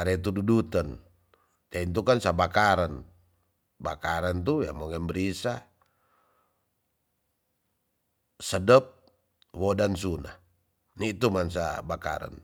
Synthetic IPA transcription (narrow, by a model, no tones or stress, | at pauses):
aɾɛt̪̬ududut̪ən | t̪aint̪̬ukansabakaɾan | ba̰kaɾant̪̬uja̰mɔŋɛmbəɾisa | sədəp̚ | wɔdansuna̰h | nit̪umans̬a̰baka̰ɾa̰n